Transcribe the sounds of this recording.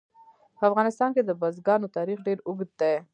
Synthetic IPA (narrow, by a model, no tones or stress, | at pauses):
pəafɣɑnɪst̪ɑnked̪əbazɡɑnot̪ɑɾixɖeɾʊɡd̪d̪e